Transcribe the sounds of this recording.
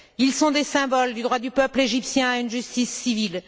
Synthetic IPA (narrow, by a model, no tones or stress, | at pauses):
ilsɔ̃d̪esɛ̃bɔld̪yd̪ʁwad̪ypœpleʒipsjɛ̃aynʒyst̪isːivil